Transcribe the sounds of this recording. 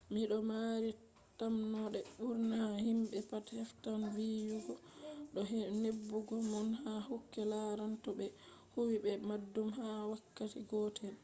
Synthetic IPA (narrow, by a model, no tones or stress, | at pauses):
miɗɔmaɾi | tamnɔɗɛɓuɾnahimɓɛpathɛftanviːjuɡɔɗɔɦnebːuɡɔmɔnhahokːɛlaɾantɔɓɛ | huwiɓɛmadːumhawakːatiɡɔtʰɛn